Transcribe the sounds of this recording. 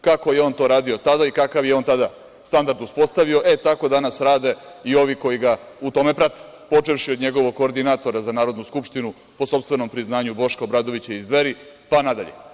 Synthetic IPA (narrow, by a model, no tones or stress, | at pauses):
kako̞je̞o̞nt̪o̞ɾaːd̪io̞t̪ad̪aikakaʋje̞o̞nt̪ad̪a | st̪and̪aɾd̪uspo̞st̪aʋio̞ʔe̞t̪ako̞d̪anasɾaːd̪e̞io̞ʋiko̞jiɡaut̪o̞me̞pɾat̪e̥ | po̞t͡ʃe̞ʋʃiod̪ɲe̞ɡo̞ʋoɡkːo̞ːɾd̪inat̪o̞ɾazanaːɾo̞d̪nuskupʃt̪inu | po̞so̞pst̪ʋe̞no̞mpɾiznaːɲubo̞ʃkaobɾaːd̪o̞ʋit͡ɕeizd̪ʋeɾipanad̪a̰ʎe̞̰